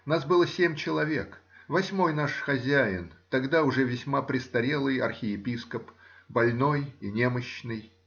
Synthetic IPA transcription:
ʊnasbɨlˠəsʲemʲt͡ɕɪlˠɐvʲe̞kvɐsʲmo̞jnaʂxɐzʲæɪnt̪ɐɡd̪aʊʐɛvʲɪsʲmapɾʲɪst̪ɐɾʲe̞lˠɨjɐ̰rxʲɪɪpʲiskəpbɐlʲno̞jinʲe̞məɕːnɨj

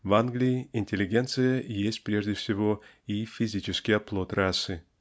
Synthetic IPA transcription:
vanɡlʲɪɪɪnʲtʲɪlʲɪɡʲent̪sɨjəjesʲtʲpɾʲeʐdʲɪfsʲɪvo | ifʲɪzʲit͡ɕɪskʲɪjɐplˠot̪ɾasːɨ

